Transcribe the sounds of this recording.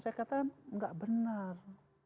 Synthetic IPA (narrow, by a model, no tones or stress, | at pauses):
sajakat̪aŋɡaʔbənar